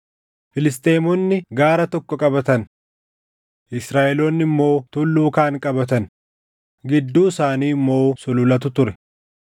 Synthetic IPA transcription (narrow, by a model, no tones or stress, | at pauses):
fɪlɪs̬t̪e̞ːmɔnːɪɡaːɾɐt̪ɔkːɔkʼɐbɐt̪ɐn | ʔɪsɾaːʔɛloːnːɪmːo̞ːt̪ʊlːuːkaːŋkʼɐbɐt̪ɐn | ɡɪd̪ːuːɪsaːniːmːo̞ːsʊlʊlɐt̪̬ʊt̪ʊɾɛ